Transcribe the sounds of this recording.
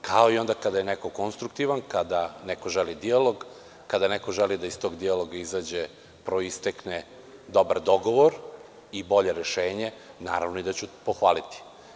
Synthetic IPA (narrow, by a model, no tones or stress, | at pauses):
kʰao̞io̞nd̪akad̪ajeneko̞ko̞nst̪ɾuk̚t̪iʋankad̪anɛko̞ʒelid̪ialoɡː | ad̪anekoʒelid̪aist̪o̞ɡd̪ialˠoɡaizaːd͡ʑe | pɾo̞ist̪ekne | d̪o̞baɾd̪o̞ɡoʋoɾ | ibo̞ʎe̞ɾeʃeːɲe̞na̰ːɾaʋnoid̪at͡ɕupoxʋaːlit̪i̥